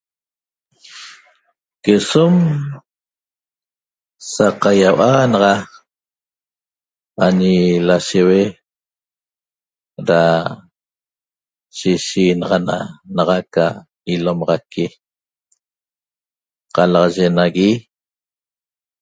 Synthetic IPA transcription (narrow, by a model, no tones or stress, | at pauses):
kesom | saqajawanɑʁɑ | aɲilaʃewe | ɾa | ʃiʃiːnɑʁɑnanɑʁɑka | ilomɑʁɑki | qɑlɑʁɑʒenaɣi